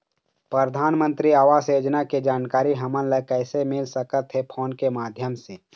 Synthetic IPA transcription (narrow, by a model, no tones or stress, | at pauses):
pɾəɾd̪ʱaːnmə̃nt̪ɾiaːʋaːseːd͡ʒnaked͡ʒaːnkaːɾiɦəmənləkɛɪsemɪlsəkət̪ɦepʰoːnkemaːd̪ʱjəmse